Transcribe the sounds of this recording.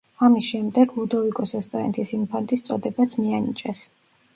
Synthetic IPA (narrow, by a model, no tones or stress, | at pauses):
amisʃɛmd̪ɛɡlud̪ɔvikʼɔsɛspʼɛɾɛ̰nt̪ʰisimpʰant̪ʼist̪sʼɔ̰d̪ɛbat̪sʰmianḭt͡ʃʼɛs